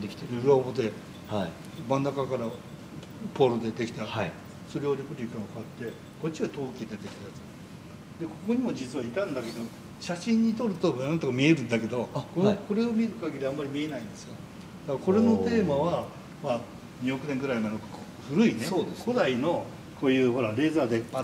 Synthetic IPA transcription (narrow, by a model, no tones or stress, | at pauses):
d̪ekʲt̪eɾɯɯɾobod̪e̞ | h | mãnːakakaɾa | poːɾod̪e̞d̪e̞kʲi̥t̪aa | soɾeoɾʲikɯɾʲikakat̪ːe̞ | ko̞t͡ɕːiβat̪o̞ːkʲid̪et̪e̞kʲi̥t̪ajat͡sɨ̥ | d̪e̞ko̞ko̞ɲ̟imo̞d͡ʑit͡sɨβait̪ãnd̪ake̞d̪o̞ | ɕaɕĩɲ̟ːit̪o̞ɾɯ̟t̪o̞nãnt̪okamʲie̞ɾɯ̟̃nd̪ake̞d̪o̞koko̞ɾe̞o̞mʲiɾɯ̟kaɡʲiɾʲiamːaɾʲimʲie̞naĩnd̪e̞sɨjo | d̪̥akko̞ɾe̞no̞t̪e̞ːmaβa | ma | ɲ̟io̞kɯ̟neŋɡɯɾaimad̪okko | ɸɯ̟ɾɯ̟ineod̪ekod̪aino̞ | kʰo̞ːjɯ̟ːɦo̞ɾaɾe̞ːzaːd̪ea